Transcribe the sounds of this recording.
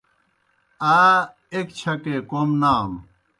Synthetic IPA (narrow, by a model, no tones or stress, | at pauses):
aː | ekt͡ɕʰɐkekomnaːn